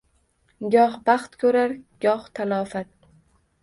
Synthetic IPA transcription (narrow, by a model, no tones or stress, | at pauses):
ɡʲɒhbɑχt̪kʲʰɵɾaɾɡ̥ɒht̪ʰalɒːfat̪̚